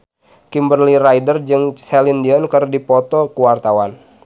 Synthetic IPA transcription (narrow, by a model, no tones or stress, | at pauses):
kimbərliraidərd͡ʒɨŋsɛlindiɔnkərdipɔt̪ɔkuwart̪awan